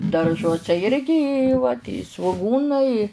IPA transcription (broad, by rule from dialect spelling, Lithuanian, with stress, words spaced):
dɐrˈʒuɔsʲɛ ˈɪrʲɡʲɪ ɪ ʋɐ sʋʊˈɡuːnɐɪ ɪ